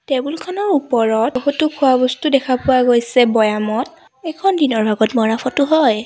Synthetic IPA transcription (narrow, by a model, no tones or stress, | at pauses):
tɛbulkʰɔnɔɹupɔɹɔtɦutukʰuwabɔstudɛkʰapʊaɡojsɛbɔjamɔt̚ | ɛjkʰɔndinɔɹbʱaɡɔtmɔɹapʰɔtʊɦɔj